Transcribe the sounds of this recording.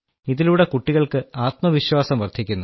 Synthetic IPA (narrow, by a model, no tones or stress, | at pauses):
iðiluːɽe̞kuʈːiɣɐɭkɨaːt̪mɐʋiɕwaːsɐmʋɐrd̪ʱikʲːunːu